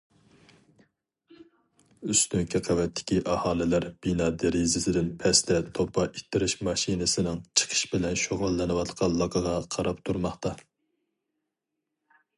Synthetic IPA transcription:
øst̪yŋkʰʲiqʰæwɛt̪ʰːɪ̥kʲiʔɑhɑːlˠɪlæɾb̥inɑːd̪eɾizɪsɪd̪ɪnpʰɛst̪ɛt̪ʰopːɑʔit̪ʰːɪɾɪʃmɑʃinɨsɪnɪŋt͡ʃʰə̥qʰə̥ʃbɪlɛnʃoʁʊlˠːɨnɨwɑt̪qʰɑnlˠɑkʰɑʁɑqʰɑɾɑpt̪ʰuɾmɑχt̪ɑ

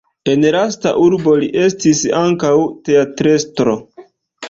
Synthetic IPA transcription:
e̞nlasta̰ʔuɾbo̞liʔe̞stisaŋkawte̞atɾe̞stɾo̞

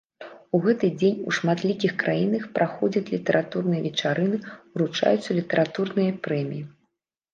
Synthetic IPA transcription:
uɣɛt̪ɨd͡zʲenʲṵʂmat̪lʲikʲixkɾʔajinɐxpɾʔaxɔd͡zʲɐt͡sʲlʲit̪ɛɾʔat̪urnɨjɐvʲɛt͡ʂaɾɨnɨuɾut͡ʂa̰jut̪sːɐlʲit̪ɛɾʔat̪urnɨjɐpɾɛmʲiji

